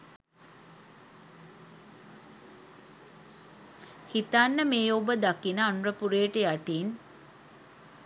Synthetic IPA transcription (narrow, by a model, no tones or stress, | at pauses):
hit̪anːəmeːobəd̪akinəanrəpuɾeːʈejaʈiːn